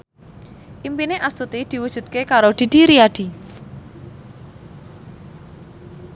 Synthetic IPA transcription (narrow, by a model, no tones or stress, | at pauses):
ʔimpineʔast̪ut̪id̪̥i̤wud̥ʒ̥ṳt̪̚kekaɾod̪̥i̤d̪̥i̤ɾiaɖ̥i̤